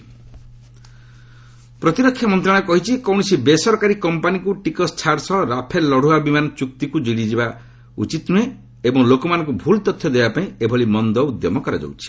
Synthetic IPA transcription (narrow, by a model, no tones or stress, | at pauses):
pɾɔt̪iɾɔkʰːjamɔnt̪ɾaɽ̃kɔɦit͡ʃʰikɔw̃ɔsibesɔɾkaɾikɔmpanikuʈikɔst͡ʃʰaɾsɔɾapʰelːɔɽ̤uabimanɔt͡ʃuk̚t̪ikud͡ʒiɽid͡ʒiba | ṵt͡ʃit̪nue | ebɔŋlokɔmanɔ̃ŋkubʱult̪ɔt̪ʰːjɔd̪ebapaĩebʱɔlimɔnd̪ɔud̪jɔmɔkɔɾa̰d͡ʒɔ̰wt͡ʃʰi̥